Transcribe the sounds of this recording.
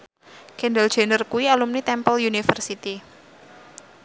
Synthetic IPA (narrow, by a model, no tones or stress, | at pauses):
kɛndald͡ʒ̥e̤nərkuialumnit̪ɛmpəljunifərsit̪i